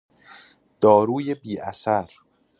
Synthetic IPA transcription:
d̪̥ɒːɾuːje̞biːʔæsæɾ

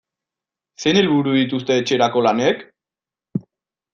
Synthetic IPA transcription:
se̞nelβuɾuðit̪̬ust̪e̞ːt͡ʃe̞ɾako̞lane̞k

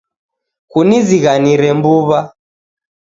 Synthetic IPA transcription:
kuniziɣaniɾɛmbuβa

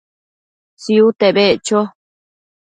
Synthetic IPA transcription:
siut̪eβet͡ʃo

